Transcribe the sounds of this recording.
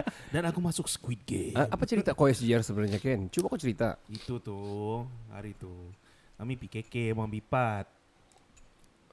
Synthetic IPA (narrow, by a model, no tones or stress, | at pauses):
danakumasʊk̚sə̥kwit̪̚ɡḛaʔapat͡ʃəɾit̪akoɛsd͡ʒiarsəbənaɲakɛnt͡ʃumaakut͡ʃəɾit̪a̰it̪ut̪ʊ | ha̰ɾit̪u | kamipikekɛmaŋbipat̪̚